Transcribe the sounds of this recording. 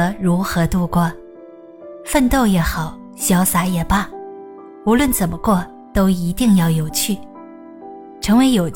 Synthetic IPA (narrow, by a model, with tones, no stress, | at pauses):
ə˥ɻu˧˥xɤ˧˥t̪u˥˧kwɔ˥˩ | fə˥˧nt̪o˥˧ʊjɛ˧˥xɑ˨˩˦ʊ | ɕjɑ˧˥ʊsa˧˥jɛ˨˩pa˥˩ | u˧˥lwə˥˩nt͡sə˨˩nmə˦kwɔ˥˩ | t̪o˥ʊi˧˥t̪i˥˧ŋjɑ˥˩ʊjo˨˩ʊt͡ɕʰy˥˩ | ʈ͡ʂʰɤ˧˥ŋwe˧˥ɪjo˨˩ʊ